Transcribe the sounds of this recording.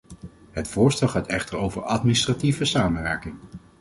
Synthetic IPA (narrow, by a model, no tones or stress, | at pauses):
ɦətfʊːɹstɛlˠχaːtɛχtəɹowvəɹɑtministrativəsaːmənʋɛɹkɪŋ